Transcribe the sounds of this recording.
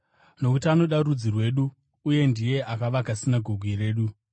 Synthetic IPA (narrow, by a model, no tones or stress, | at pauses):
no̞kutiano̞ɗaɾud͡zirwe̞ɗuː | je̞ndije̞ʔakaʋakasinaɡʱoɡʱwire̞ːɗu